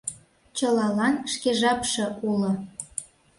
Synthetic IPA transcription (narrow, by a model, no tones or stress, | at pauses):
t͡ɕɤlɑlɑnʃkeʒɑpʃɤ̆ʔulŏ